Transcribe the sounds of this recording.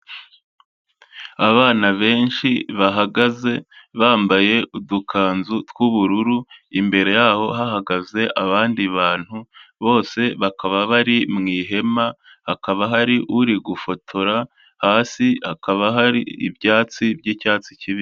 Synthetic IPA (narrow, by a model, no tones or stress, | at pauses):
aβaːnaβe̞ːnʃiβaɦaɡaze̞βaːmbaje̞ʔudukʰaːnzutkuβuɾuɾuimbe̞ɾe̞jaːho̞ɦaɦaɡaze̞ʔaβaːndiβaːn̥huβo̞ːse̞βakaβaβaɾimŋiːɦe̞ma | hakaβaɦaɾiʔuɾiɡufo̞tʰo̞ɾa | haːsihakʰaβaɦaɾḭːbjaːt͡sibɟiːcaːt͡siciβi